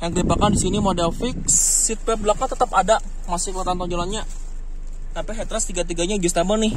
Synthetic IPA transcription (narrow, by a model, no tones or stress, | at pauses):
jaŋkəlibakandisinimodɛlfɪk̚sːit̪̚pɛblakːat̪ət̪əpada | masɪlat̪ant̪ɔŋd͡ʒolanɲa | t̪apiɦɛt̪ɾast̪iɡat̪̬iɡaɲad͡ʒust̪amɔnɪh